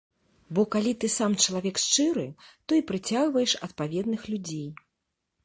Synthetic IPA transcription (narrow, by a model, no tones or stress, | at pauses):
bɔkalʲit̪ɨsamt͡ʂɐlˠavʲɛkʂt͡ʂɨɾɨt̪ɔipɾɨt͡sʲaɣvɐjɛʂɐt̪̚pavʲɛd̪nɨxlʲud͡zʲej